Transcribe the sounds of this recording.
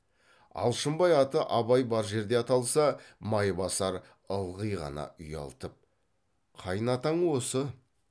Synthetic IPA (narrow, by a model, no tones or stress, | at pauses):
ɑ̰lˠʃəmbɑjɑt̪əʔɑβɑjbɑɾʒe̞ɾd̪e̞ɑt̪ɑlˠsɑmɑjbɑsɑɾ | əlˠʁəjʁɑ̰nɑ̰ʏjɑ̰lˠt̪əp̚ | qʰɑjənɑt̪ɑɴwo̞sə